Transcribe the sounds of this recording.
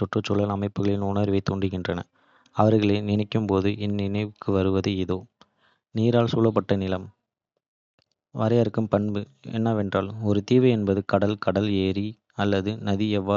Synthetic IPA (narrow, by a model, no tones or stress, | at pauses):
tɔʈrɔt͡ʃːɔɭːɐlɐmɐɪpːɯɣɐɭɪlnuːnaːɾʋɐɪt̪ːoːɳɖɪɣɪndrɐnɐ̰ | ɐʋɐɾɣɐɭeːnɪnɐɪkːɯmpoːðɯʔɪnːɪnɐɪʋɯkːɯʋɐɾɯʋɐðɯɪðoː | niːɾaːɭsuːlɐp̬ːɐʈːɐnɪlɐm | ʋɐɾɐjɐɾɯkːɯmpɐnbɯɛ̰nːɐʋɛndraːlɔɾɯt̪iːʋɐɪɛnbɐðɯkɐɽɐlkɐɽɐleːɾi | ɐlːɐðɯnɐðiɛʋːaː